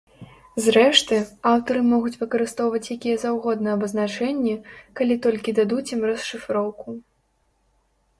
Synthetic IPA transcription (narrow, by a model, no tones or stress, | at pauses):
zɾɛʂt̪ɨawt̪ɐɾɨmɔɣut͡sʲvɨkɐɾɨst̪ɔwvɐt͡sʲjakʲijɛzawɣɔd̪nɨɛɐbɐznat͡ʂɛnʲːɛkalʲit̪ɔlʲkʲid̪ad̪ut͡sʲɛmrɐsʂɨfɾɔwku